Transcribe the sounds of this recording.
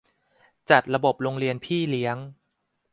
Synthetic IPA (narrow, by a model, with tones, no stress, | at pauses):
t͡ɕa˨˩t̪̚ɾa˧bo˨˩p̚ɾo˧ŋɾi˧ənpʰiː˥˩li˦˥əŋ